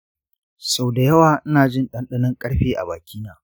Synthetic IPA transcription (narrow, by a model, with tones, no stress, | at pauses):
sa˨wda˨jɐ˦waː˨ʔɪ˦naː˨d͡ʒɪ˦nɗɐ˦nɗɐ˦nɐ˦ŋkʼɐ˦ɽɸeː˦ʔa̰˨baː˨kʲʰiː˦naː˨